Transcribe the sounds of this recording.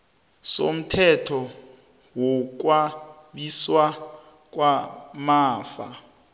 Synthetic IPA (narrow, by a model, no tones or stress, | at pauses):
so̰m̩tʰɛtʰɔ | wɔk̬wa | ɓiswa | k̬ʼwamaːfa̰